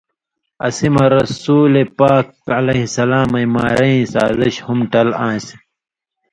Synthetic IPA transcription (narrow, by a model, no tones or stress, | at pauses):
ɐ̰simɐɾɐsuːlepaːk | ɐlɐhisɐlaːmɐjma̰ːɾɐĩsa̰ːziɕhumʈɐlãːsi